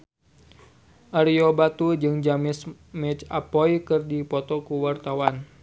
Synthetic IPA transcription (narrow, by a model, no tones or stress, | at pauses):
ʔaɾiobat̪ud͡ʒɨŋd͡ʒamɪs | mɛt͡ʃa̰pɔjkɨrdipɔt̪ɔkuwart̪awan